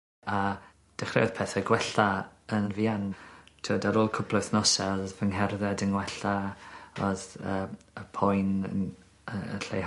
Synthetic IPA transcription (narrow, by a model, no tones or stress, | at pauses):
a | d̥ɛχrɛɔð̥pʰɛːθɛɡwɛɬaənənviantʰudaɾoːlˠkʰʊpʰlˠojθnɔsɛɔðvəŋɦɛrðɛdəŋwɛɬaɔðə | əpʰɔjnə̰n | əə̰ɬḛj